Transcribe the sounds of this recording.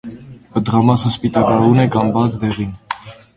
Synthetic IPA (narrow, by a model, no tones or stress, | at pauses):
pəd̪əʁɑmɑsəspit̪ɑkɑɾunɛkɑmbɑt͡sʰd̪ɛʁin